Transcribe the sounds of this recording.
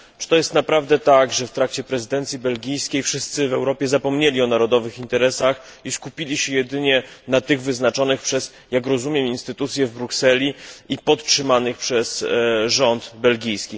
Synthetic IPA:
t͡ʂɨ̥t̪ɔjɛst̪napɾavd̪ɛt̪aɡʐɛft̪ɾakt͡ɕɛpɾɛzɘd̪ɛnt̪sʲjibɛlɡʲijskʲejfʂɘst̪sɘvɛwɾɔpʲjɛzapɔmɲelʲiɔnaɾɔd̪ɔvɘxint̪ɛɾɛsax | iskupʲilʲiɕɛjɛd̪ɘɲɛnat̪ɘɣvɘznat͡ʂɔnɘxpʂɛz | jakɾɔzumʲjɛminst̪ɘt̪ut̪sʲjɛvbɾuksɛlʲiipɔt̪tʂɘmanɘxpʂɛsʐɔnt̪bɛlɡʲijskʲi

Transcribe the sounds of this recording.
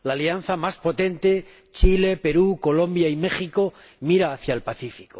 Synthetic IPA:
laːlian̟θamaspot̪e̞nt̪e̞ | t͡ʃile̞pe̞ɾuko̞lõ̞mbjaime̞χiko̞ | miɾaːθjaelpaθifi̥ko̞

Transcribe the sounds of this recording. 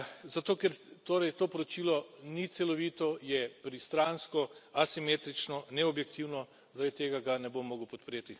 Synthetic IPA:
zat̪oːkɛɾt̪oːɾɛjt̪oːpɔɾot͡ʃiːlɔnit̪sɛlɔʋiːt̪ɔjɛpɾist̪ɾanskɔasimeːt̪ɾit͡ʃnɔnɛɔbjɛk̚t̪ʰiwnɔ | zaɾad̪it̪eːɡaɡanɛbomːoːɡəwpɔt̪pɾeːt̪i

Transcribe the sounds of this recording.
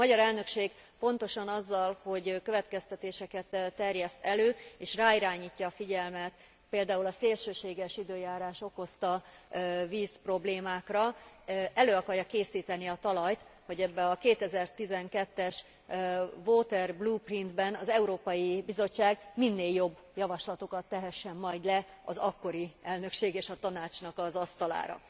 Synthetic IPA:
mɒɟɒɾɛlnø̞kʃeːɡpo̞n̪t̪o̞ʃɒnɒzːɒlho̞ɟkø̞vɛt̪kɛst̪ɛt̪eːʃɛkɛt̪ːt̪ːɛrjɛst̪ɛløːeːʃraːiɾaːɲiːcːɒːfiɟɛlmɛt̪ | peːld̪aːulɒseːlʃøːʃeːɡɛʃid̪øːjaːɾaːʃo̞ko̞st̪ɒ | viːspro̞bleːmaːkrɒ | ɛløːɒkɒrjɒkeːsiːt̪ɛniɒt̪ɒlɒjt̪ho̞ɟɛbːɛɒkeːt̪ɛzɛrt̪izɛŋkɛt̪ːɛʃ | voːt̪ɛrbluːprind̪bɛnɒzɛuɾoːpɒjibizo̞t͡ʃːaːɡminːeːljo̞bːjɒvɒʃlɒt̪o̞kɒt̪ːɛɦɛʃːɛmːɒjd̪lɛɒ̰zɒkːo̞ɾiɛlnø̞kʃeːɡeːʃɒt̪ɒnaːt͡ʃnɒkɒzɒst̪ɒla̰ːɾɒ̰

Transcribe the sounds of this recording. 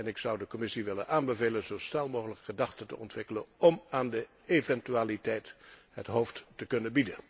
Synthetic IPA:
ɛnɪksʌwdəkɔmɪsiʋɪlə̰nʔaːnbəvejlənzowsnɛlˠmoːɣələkχədɑχtəntə̰ɔ̰ntʋɪkələnɔmaːndə | evɛntyaːlitɛjtɦə̰tɦowfttəkɵnənbidən

